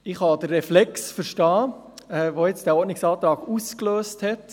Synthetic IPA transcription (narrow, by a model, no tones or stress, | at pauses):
ɪχhɑd̥̪ərːɛflɛksfəɾʃtɑː | ɛʋojɛt͡sd̥æːɔɾtnɪksɑːt̪ɾɑːɡ̥uskløːsthɛt